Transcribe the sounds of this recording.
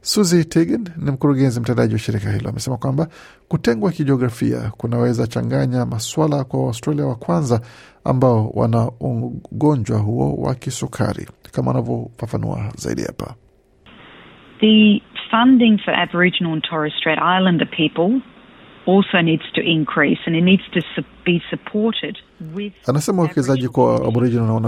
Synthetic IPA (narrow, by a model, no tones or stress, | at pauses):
suzitʰiɡɛnːim̩kuɾuɠɛnzim̩tɛndaʄiwaʃiɾikahḭlɔ̰amɛsɛmakwamba | kutɛŋɡwakiʄɛɔɡɾafḭa̰kunawɛzat͡ʃa̰ŋɡaɲamaswalakwawastɾaliawakwanza | a̰mbaɔwa̰naɔɡɔɲd͡ʒwaɦuɔ̰wa̰kisukʰa̰ɾḭkamaanavjɔfafanṵa̰za̰ḭɗiha̰pa | ðɨfʌ̃ndɪ̃ŋfə˞ʔæ̰bə˞ɪd͡ʒɨn̩l̩ˠə̃ntʰɔɹɨstɹ̥eɪɾaɪlˠə̃ndɨpʰipəl̩ˠ | ɔlˠsoʊnidz̥tʰɨʔɪ̃nkʰɹ̥isɨ̃nɨtⁿnidz̥tʰɨsɨb̥isɨpʰɔɹɾɪd̚wɪð̥anasɛmauwɛkɛzaʄikaa̰bɔɾid͡ʒɔnnaɔna